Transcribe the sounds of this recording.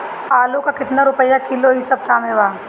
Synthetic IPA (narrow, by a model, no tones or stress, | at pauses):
aːlõkakɪt̪naɾʊpəjakɪloɦɪsɐb̚t̪ʰaːmeʋaː